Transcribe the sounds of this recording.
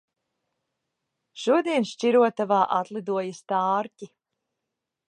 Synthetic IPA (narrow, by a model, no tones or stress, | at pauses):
ʃuɔd̪iɛnʃt͡ʃiɾuɔt̪avaːʔat̪lˠid̪uɔjast̪ɑːɾcʲi